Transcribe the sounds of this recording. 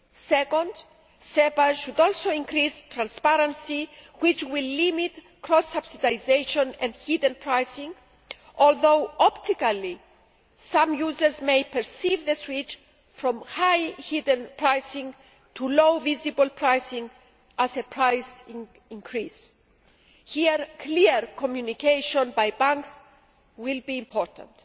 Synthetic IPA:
sɛkõnd | sepaʃud̪ɔlsoĩŋkɾist̪ɾãnspaɾãnsiwit͡ʃwilːimit̪ | kɾɔsabsid̪ajzejʃõnɛ̃nd̪hid̪ə̃npʰɹajsĩŋ | olðowɔpt̪ikali | sãmjuzəɾzmejpɛɹsivðeswit͡ʃ | fɾɔ̃mhajhidə̃npʰɹajsĩŋ | t̪ʰulowvizibəlpʰɹajsĩŋ | azepʰɹajs | ĩŋkʰɹis | hiəɾkʰliəɾkʰomjunikejʃõnbajbãŋks | wilbĩːmpʰɔɹt̪ʰã̰nt

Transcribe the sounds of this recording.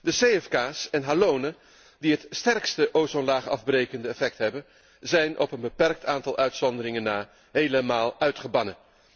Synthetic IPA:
dəsejɛfkaːsɛnɦaːlownə | diɦətstɛrkstəʔowsɔnlaːχɑ̰vbrejkəndəɛfɛk̚tɦɛbən | zɛjnʔɔ̰pənbəpɛrk̚taːntɑlˠʔœɥtsɔndərɪŋənːaː | ɦejləmaːlˠœɥtχəbɑnə

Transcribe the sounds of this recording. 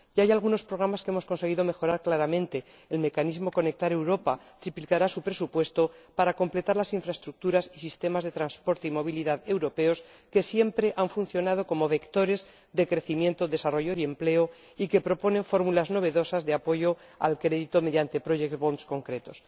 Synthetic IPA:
ɟ͡ʝaajalɣ̞uno̞spɾo̞ɣ̞ɾamaskeemo̞sko̞nse̞ɣ̞iðo̞me̞xo̞ɾaɾklaɾamẽ̞nt̪e̞ː | lme̞kanizmo̞ko̞ne̞k̚t̪aɾe̞wɾo̞pa | t̪ɾiplikaɾasupɾe̞supwe̞st̪o̞paɾako̞mple̞t̪aɾlasiɱfɾae̞st̪ɾuk̚t̪uɾasisist̪e̞mazðe̞t̪ɾanspo̞ɾt̪eimo̞β̞iliðaðe̞wɾo̞pe̞o̞s | ke̞sje̞mpɾe̞ʔaɱfunθjonað̞o̞ko̞mo̞βe̞kt̪o̞ɾe̞z | ðe̞kɾe̞θimje̞nt̪o̞ðe̞saro̞ʝo̞ie̞mple̞o | ike̞pɾo̞po̞nẽ̞ɱfo̞ɾmulazno̞βe̞ðo̞sazðeapo̞ʝo̞ | a̰lkɾe̞ðit̪o̞me̞ðjant̪e̞pɾo̞ʝekt̪bo̞nsko̞ŋkɾe̞t̪o̞s

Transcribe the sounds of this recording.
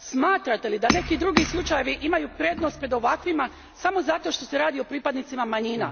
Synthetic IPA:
smaːt̪ɾat̪e̞lid̪ane̞kid̪ɾuɡislˠut͡ʃaje̞ʋiʔimajupɾe̞d̪no̞st̪pɾed̪o̞ʋakʋima | samo̞zat̪o̞ʃt̪o̞se̞ɾaːd̪io̞pɾiːpad̪nit̪simamaɲina̰

